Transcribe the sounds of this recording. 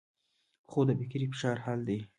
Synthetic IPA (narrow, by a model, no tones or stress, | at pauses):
χod̪əbɪkɾifɪ̥ʃɑɾhɑld̪ej